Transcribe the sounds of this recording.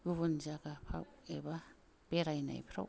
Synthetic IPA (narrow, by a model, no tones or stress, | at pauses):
ɡuβunzaɡapʰa̰weba | b̥eɾajna̰jpʰɾa̰w